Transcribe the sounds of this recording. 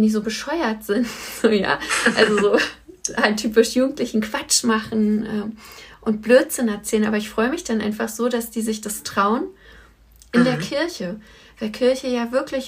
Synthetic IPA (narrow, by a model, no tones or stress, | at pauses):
ndiːzoːbəʃɔʏɐtz̥ɪntz̥oːja̰ːʔalzozoː | antʰyːpɪʃjuːɡŋ̩tlɪçn̩kv̥at͡ʃmaχn̩ʔɛːʔʊnt̚b̥løːtz̥ɪnɛɐt͡sɛːlənʔaːbɐɪçfʁ̥ɔʏəmɪçd̥anʔa̰ɪnfaχz̥oːdasd̥iːzɪçd̥astʁ̥aʊən | ʔɪndeːɐkʰɪɐçə | vaɪlkʰɪɐçəjaːvɪɐklɪç